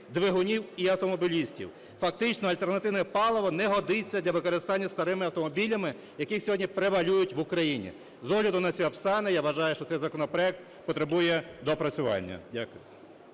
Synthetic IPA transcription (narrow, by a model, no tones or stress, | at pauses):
d̪ʋeɦʊnʲiwiɐwt̪ɔmɔbʲilʲisʲtʲḭw | fɐkt̪ɪt͡ʃnɔɐlʲt̪e̞rnɐt̪ɪwnɛpɑlˠɔʋɐnɛɦɔd̪ɪt͡sʲːɐd̪lʲɐʋɪkɔɾest̪ɑnʲːɐst̪ɐɾɪmɪɐwt̪ɔmɔbʲilʲɐmɪ | jɐkɪxsʲɔɦɔdʲnʲipɾeʋɐlʲujʊtʲʋʊkɾɐjinʲḭ | zɔɦlʲɐd̪ʊnɐt͡sʲiɐpsɑnɪjaʋɐʒɑjʊʃt͡ʃɔt̪ɛjzɐkɔnɔpɾɔɛk̚t̪̚ | pɔt̪ɾebujɛd̪ɔpɾɐt͡sʲʊʋɑ̰nʲːɐ̰dʲakʊjʊ